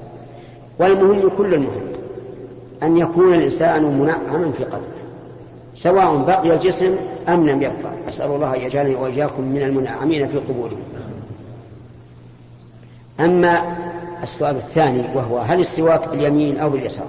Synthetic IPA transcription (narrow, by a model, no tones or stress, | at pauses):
walmʊhɪmːkʊlːʊlmʊhɪ̰mː | ʔanjakuːnalʔɪnsaːnmʊnaʕːamanfiːqɑd̪ɾɪh | sawaːʔʊmbaqɪjald͡ʒɪsmʔamlamjab̚qɑ̰ʕʔasʔa̰lulˤːɑːhaʔajːad͡ʒaːlaniwaʔɪjːaːkʊmːɪnalmʊnaʕːamiːnafiːqʊbuːlɪhɪm | ʔamːaasːʊʔaːlaθːaːniwaɦʊwaɦalɨsˤːɪwaːkbɪljamiːnʔawbɪljasɑ̰ːɾˤ